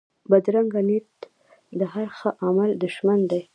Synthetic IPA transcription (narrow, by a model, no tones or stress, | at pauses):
bad̪ɾaŋɡanit̪ | d̪əhaɾxəʔamald̪ʊʃmand̪aj